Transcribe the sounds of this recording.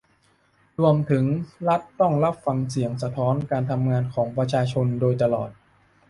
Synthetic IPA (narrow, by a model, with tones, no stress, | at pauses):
ɾuː˧əmt̪ʰɯ˩˦ŋɾa˦˥t̪ːɔ˥˩ŋɾa˦˥p̚fa˧ŋsi˩˦əŋsa˧t̪ʰɔː˦˥nkaː˧nt̪ʰa˧mŋaː˧nkʰɔː˩˦ŋpɾa˧t͡ɕʰaː˧t͡ɕʰo˧ndoː˧jt̪a˧lɔ̰ː˨˩t̪̚